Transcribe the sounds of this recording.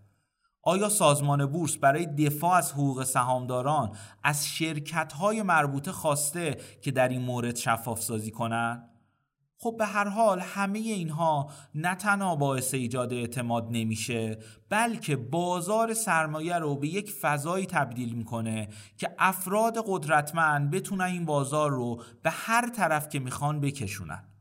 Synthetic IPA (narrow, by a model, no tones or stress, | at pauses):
ʔɒːjɒːsɒːzmɒːne̞buːɾsbæɾɒːje̞d̪e̞fɒːæzhoɣuːɣe̞sæɦɒːmd̪ɒːɾɒːnʔæzʃe̞ɾcʰæt̪ɦɒːje̞mæɾbuːt̪ʰe̞xɒːst̪e̞cʰe̞d̪æɾiːnmoːɾe̞d̪̥ʃæfːɒːfsɒːziːkʰo̞nænd̪ | xo̞b̚ːe̞ɦæɾɦɒːlhæme̞je̞iːnɦɒːnæt̪ʰænhɒːbɒːe̞se̞iːd͡ʒɒːd̪eeʔt̪ʰe̞mɒːd̪̚ne̞miːʃe̞b̥ælcʰe̞bɒːzɒːɾe̞sæɾmɒːjæɾobe̞je̞cfæzɒːiːt̪ʰæbd̪iːlmiːkʰo̞ne̞ | cʰe̞ʔæfɾɒːd̪e̞ɣo̞d̪ɾæt̪ʰmænd̪̚be̞t̪ʰuːnæniːnbɒːzɒːɾːob̥e̞hæɾt̪ʰæɾæfcʰe̞miːxɒːnbe̞cʰe̞ʃṵːnæ̰n